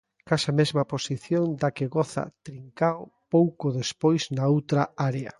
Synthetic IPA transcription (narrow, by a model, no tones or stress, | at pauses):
kaʃamezmɐposiθjoŋd̪akeɣɔθa̰t̪ɾiŋkawopowkoðespojznaowt̪ɾaaɾeɐ̰